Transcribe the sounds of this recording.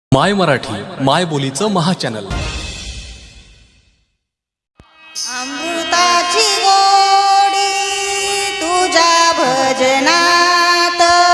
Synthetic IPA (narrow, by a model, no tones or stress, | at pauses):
majməɾaʈʰiːmajbolit͡səməɦat͡ɕænəl | əmbut̪at͡ɕiɡo | ɽi | t̪ud͡ʑabʱəd͡ʑəna | t̪